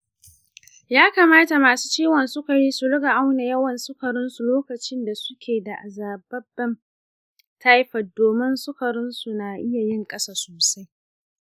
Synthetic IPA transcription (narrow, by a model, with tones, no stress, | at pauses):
jaː˦ka˨maː˦ta˨maː˨su̥ː˦t͡ʃiː˦wɔ˨nsʊ˦ka˨jiː˦su˨ɽʊ˦ɡa˨ʔa˦wna˨jɐ˦wɐ˨nsʊ˦kɐ˨ɽʊ˦nsu˨loː˦kɐ˨t͡ʃɪ˦nda˨sʊ˦kʲʰeː˨da˨ʔa˨zaː˨bɐ˦bɛ˦m | tʰa˦jɸɐ˨t̚doː˨mɪ˦nsʊ˦kɐ˨ɽʊ˦nsu˨na˨ʔɪ˦ja˨jɪ˦˨ŋkʼɐ˦saː˨soː˨sa˦j